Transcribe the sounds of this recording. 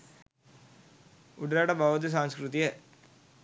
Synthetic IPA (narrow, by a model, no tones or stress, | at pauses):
ʊɖɐɾaːɽɐbʱaːʋɐt̪̬ɯs̬aːŋskɾut̪ijɐ